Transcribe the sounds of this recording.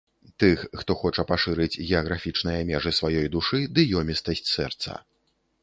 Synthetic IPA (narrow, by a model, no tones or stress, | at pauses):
t̪ɨxːt̪ɔxɔt͡ʂɐpaʂɨɾɨt͡sʲɣʲɛɐɣɾafʲit͡ʂn̪ɨjɐmʲɛʐɨsvajɔjd̪uʂɨd̪ɨjɔmʲist̪ɐsʲt͡sʲsɛ̰rt̪sɐ̰